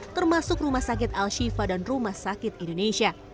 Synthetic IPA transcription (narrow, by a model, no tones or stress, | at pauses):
t̪ərmasʊkrumahsak̬ɪt̪alʃifadanrumahsakɪt̪̚indoneʃia